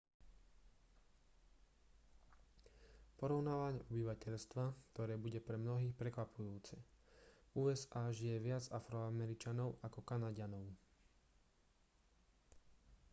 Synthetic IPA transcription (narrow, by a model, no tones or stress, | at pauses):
pɔɾɔʊnaːʋaɲɛɔbiʋacɛʎst̪ʋakt̪ɔɾɛːbuɟɛpɾɛmnɔɦiːxpɾɛkʋapʰujuːt͡sɛ | uːɛzaːʒijɛʋɪad͡zafɾɔamɛɾit͡ʃanɔʊʔakɔkanaɟanɔʊ